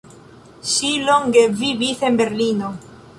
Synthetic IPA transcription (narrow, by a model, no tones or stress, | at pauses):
ʃiloŋɡeβiβiθembeɾlino